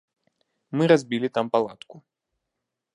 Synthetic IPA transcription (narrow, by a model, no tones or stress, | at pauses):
mɨɾazʲbʲilʲit̪ampalˠat̪ku